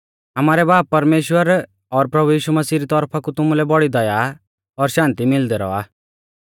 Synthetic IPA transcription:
ɐmaːɾɛbaːpːɐɾmeːʃwəɾ | ɔɾpɾɐbujiːʃumɐsiːɾit̪ɔɾpʰakut̪ʊmulɛbɔɽid̪ɐja | ɔɾʃãːnt̪imɪld̪ɛɾɔ̰a̰ː

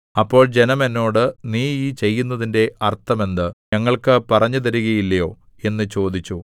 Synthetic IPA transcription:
ɐpːo̞ːɭd͡ʑe̞nɐme̞nːo̞ːɽɨniːiːt͡ɕe̞jːunːɐðinde̞ʔɐrt̪ːɐme̞nd̪ɨɲɐŋːɐɭkɨpɐrɐɲːut̪̬ɐɾuɣɐjilːɐjo̞ː | e̞nːɨt͡ɕo̞ːd̪it͡ɕːu

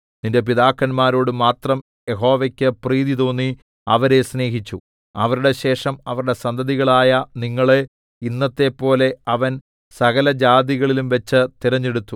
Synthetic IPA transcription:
ninde̞p̬iðaːkːɐnmaːɾo̞ːɽɨmaːt̪rɐm | je̞ɦo̞ːʋekʲːɨpriːðit̪o̞ːnːi | ɐʋɐɾe̞sne̞ːɦit͡ɕːu | ɐʋɐɾuɽe̞ɕe̞ːʂɐmɐʋɐɾuɽe̞sɐnd̪ʱɐðiɣɐɭaːjɐniŋːɐɭe | inːɐt̪ːe̞pːo̞ːle̞ɐʋɐn | sɐɣɐlɐd͡ʑaːd̪iɣɐɭilumʋɐt͡ɕːɨt̪iɾɐɲːeɽut̪ːu

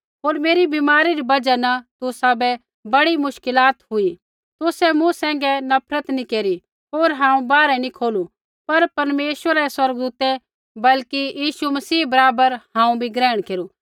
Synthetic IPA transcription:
ɦoːɾmeːɾibimaːɾiɾibɐd͡ʒanɐt̪ʊsabɛ | bɐɽimʊʃkɪlaːt̪ɦʊi | t̪ʊsɛmʊ̃sɛ̃ːŋ̆ɡɛnɐpʰɾət̪nikeːɾi | ɦoːɾɦãːũbaːɾɛnikʰoːlu | pɐɾpɐɾmeːʃwəɾaɛswɐɾɡ̚d̪uːt̪ɛ | bɐlkijiːʃumɐsiːbɐɾaːbəɾhãːũbʱiɡɾɛːɽ̃keːɾuː

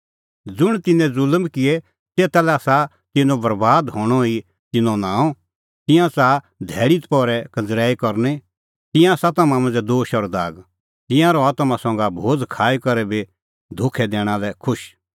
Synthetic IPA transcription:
d͡zʊɽ̃t̪ɪnɛ̃d͡zʊlmkɪɛ | seːt̪alɛasa | t̪ɪnobɐɾbaːd̪ɦoːɽ̃ɔi | t̪ɪnɔ̃nãːɔ̃ | t̪ɪ̃jãt͡saː | d̪ʱɛːɽit̪pɔːɾɛkɐ̃nd͡zɾɛːikɔɾne | t̪ɪ̃jãsat̪ɐmãmɐ̃d͡zɛd̪oːʃɔɾd̪a̰ːɡ | t̪ɪ̃jãɾɔaːt̪mãsɔ̃ŋɡabʱoːd͡zkʰaːikɐɾɛbe | d̪ʱʊkʰɛd̪ɛ̃ːɽ̃alɛkʰʊʃ

